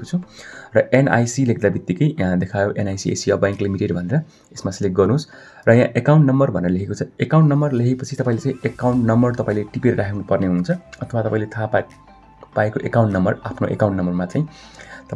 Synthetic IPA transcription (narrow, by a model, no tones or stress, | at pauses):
kot͡sʰurʌʔena̰jsilekd̪abit̪ːikʌjjãd̪ekʰajoʔenajsiḛsiʌbãŋklimiʈeɖbʱʌneɾʌ | esmasleɡʌrnus | rʌjãʔekawɳʈnʌmbʌrbʱʌneɾʌlekʰekot͡sʰʌekaw̃ɳʈnʌmbʌrlekʰepʌt͡sʰit̪ʌpãĩlet͡sãĩekawɳʈnʌmbʌrt̪ʌpaĩleʈipeɾiɾakʰenupʌrneɦunt͡sʰʌʌt̪ʰʌwat̪ʌpaĩlet̪ʰa | paekoʔekaw̃ɳʈnʌmbʌrapʰnoʔḛkaw̃ɳʈnʌmbʌrmat͡sajĩ | t̪ʌ